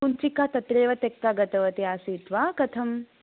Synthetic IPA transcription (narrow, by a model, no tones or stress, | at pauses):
unt͡ʃikaːt̪ɐt̪ɾeːʋɐt̪ekːaːɡɐt̪ɐʋɐt̪iaːsiːt̪ʋaːkɐt̪ʰɐm